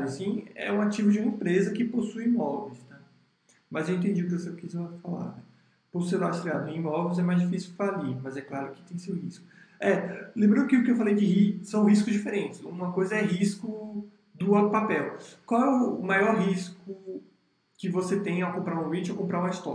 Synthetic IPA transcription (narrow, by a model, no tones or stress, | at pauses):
ɾʊɐsĩɛ̰ũat͡ʃivʊd͡ʒiũmɐẽpɾezɐkɪposujimɔvejst̪a | mɐzewẽt̪̬ẽd͡ʒiʊkɪvosewkizɐfala̰ɾnɛ | posused̪ast̪ɾiad̪ʊẽĩmɔvejzɛmajzd͡ʒifisiufalimɐzɛklaɾʊkɪ̥t̪ẽj̃sewhiskʊ̥ɛlẽbɾɐ̃d̪ʊkɪʊkɪewfalejd͡ʒɪɦisɐ̃w̃ɦiskʊzd͡ʒifeɾẽnt͡ʃ̪ɪsũmɐkojzɐɛɦiskʊ | d̪ʊpapɛwkwawɛʊmajɔɾɦiskʊ | kɪvoset̪ẽj̃akõpɾaɾũovĩt͡ʃʊawkõmpɾaɾũmɐist̪ɔ